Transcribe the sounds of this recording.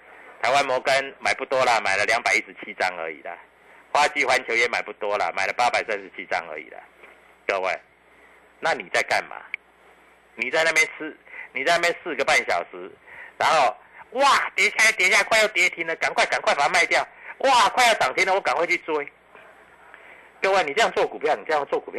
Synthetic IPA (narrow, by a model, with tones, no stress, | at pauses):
t̪ʰa˧˦ɪwa˦nmɔ˧˥kə˦nma˨˩ɪpu˥˩t̪wɔ˦lə˨ma˨ɪlə˦lja˧˦ŋpa˨˩ɪi˦ʂɻ̩˧t͡ɕʰi˦t͡sa̰˦ŋə̰˧˦ḭ˨˩lə̰˩ | xwa˦˥t͡ɕi˥˨xwa˧˦nt͡ɕʰjo˧˥ʊjɛ˥˦nma˨˩ɪpu˥˩t̪wɔ˦lə̰˨mã̰˨˩ɪlə˦pa˦pa˨˩ɪsa˦nʂ̩˧˦t͡ɕʰi˦t͡sɑ̰˦ŋə̰˧˦ḭ˨˩lə̰˨ | k̪ə˥˧wḛ˥˩ɪ | na˥˨nĩ˨˩t͡sa˥˧ɪka̰˥˩nma̰˨˩ | nĩ˨˩t͡sa˥˧ɪna˥˧˩pjɛ˥˧nt͡s̩ʰ˥˧ni˨t͡sa˥˧na˥˩pjɛ˥˧ns̩˥˧ɡə˩˨pa˥˨˩nɕjɑ̰˨˩ʊʂɻ̩˧˦na˧˦nho˥˧ʊwa˨t̪jɛ˧˥ɕʰja˥˧˩t̪jɛ˧˥ɕja˥˧kʰwa˥˧ja˥˩t̪jɛ˧˦t̪ʰi˧˥ndə˨ka˨˩ŋkwa˥˩ɪka˨˩ŋkʰwa˥˩fa˨˦ma˥˧ɪt̪jɑ˥˨ʊwʔa˥˨˩kʰwa˥˧ɪja˥˩t͡sɑ˨˩ŋt̪ʰjɛ˥˦nə˨wɔ˧˦ka˨nkwe˥˧t͡ɕʰy˥˧˨t͡swe˥ | kə˥˧we˥˩ni˨˩t͡sɤ˥˦jɑ˥˧ŋt͡swɔ˥˩ku˨˩pʰjni˨˩t͡sə˥˧ja˥˧ŋt͡swɔ˥˩ku˨˩pʰj